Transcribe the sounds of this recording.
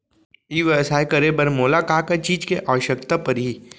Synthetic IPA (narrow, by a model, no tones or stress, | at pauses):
iːʋesaːekɐɾebɐɾmoːlakaːkat͡ʃiːd͡ʒkeʔɐʋəʃəkt̪apɐɾɦi